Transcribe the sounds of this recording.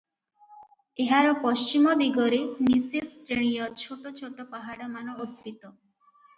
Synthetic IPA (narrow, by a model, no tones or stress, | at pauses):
eɦaɾɔpɔst͡ʃimɔd̪iɡɔɾenisest̪ɾeɽ̃ijɔt͡ʃʰoʈot͡ʃʰoʈɔpaɦaɽɔmanɔokpit̪ɔ